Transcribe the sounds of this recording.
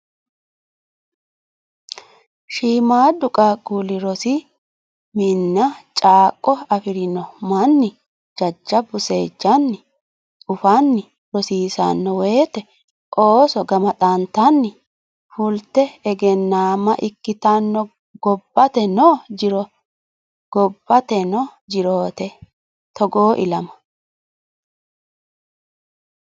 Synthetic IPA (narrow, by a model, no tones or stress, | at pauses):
ʃiːmaːd̪ʊkʼɐɡulɪɾɔsɪ | mɪnːɐt͡ʃʼaːkʼːɔɐfɪɾɪnɔmɐnːɪ | d͡ʒɐd͡ʒːɐbʊse̞ːd͡ʒːɐnːɪ | ʊfanːɪ | ɾɔsiːsa̰nːɔweːt̪ɛ | ʔoːsɔɡɐmɐt̪ʼaːnt̪anːɪ | fʊlt̪ɛɛɡɛnːaːmɐʔɪkːɪt̪anːɔ | ɡɔbːɐt̪ɛnɔːd͡ʒɪɾɔ | ɡ̥ɔbːɐt̪ɛnɔd͡ʒɪɾoːt̪ɛ | t̪ɔɡoːʔɪ̰lɐmɐ̥